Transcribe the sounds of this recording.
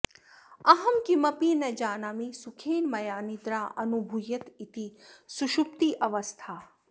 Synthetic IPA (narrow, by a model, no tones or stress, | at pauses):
ɐɦɐmkimɐpiːnɐd͡ʒaːnaːmisukʰeːnmɐjaːnid̪ɾaːɐnubʱujɐt̪it̪isuʃup̚t̪iʔɐʋɐst̪ʰaː